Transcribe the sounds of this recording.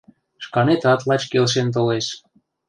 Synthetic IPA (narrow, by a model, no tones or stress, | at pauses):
ʃkɑnet̪ɑt̪lɑt͡ɕkelʃ̬ent̪̬oleʃ